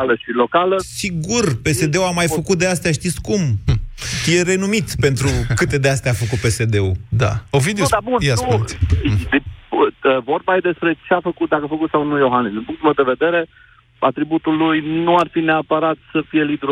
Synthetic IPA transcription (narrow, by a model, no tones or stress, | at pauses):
ləʃilo̞kaləsiɡurpe̞se̞d̪e̞uamajfəkut̪̚d̪east̪jaʃt̪it̪sʲkum | fijeɾe̞numit̪sʲpe̞nt̪ɾukɨt̪e̞d̪east̪ɛafəkut̪̚pe̞se̞d̪e̞ud̪a̰ovid̪eoabunjaskud̪iəvo̞rbaed̪e̞spɾe̞t͡ʃeafəkut̪̚d̪akəafəkut̪sawnujoɦanisd̪inpuŋkt̪ulmewd̪eve̞d̪e̞ɾe̞ | a̰t̪ɾibut̪ulːujnuarfineapəɾat̪səfije̞lid̪ɾ